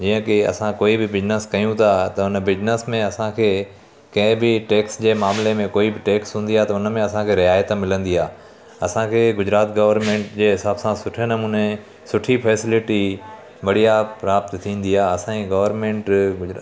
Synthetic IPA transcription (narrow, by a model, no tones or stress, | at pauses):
d͡ʑiːə̃kɪɐ̰sãkoːibɪbɪd͡ʑnəskɐjũt̪ʰat̪ɐʊnəbɪd͡ʑnəsmẽɐsãkʰeː | kɐ̃ɦɪ̃bɪʈeːksd͡ʑeːmaːmlemẽkoːibɪʈeːksɦũːnd̪iaɦt̪ɐʊnəmẽɐsãkʰeːɾɪɦaːjət̪mɪlə̃nd̪iaː | ɐsãkʰeːɡʊd͡ʑɾaːt̪ɡɐʋəɾmẽːɳʈd͡ʑeːɦɪsaːbsãsʊʈʰenɐmuːne | sʊʈʰifʰɛːsɪlɪʈi | ʋɐɽ̤ijapɾaːpt̪t̪ʰːĩːnd̪iaːɐsãiɡɐʋəɾmẽːɳʈɡʊ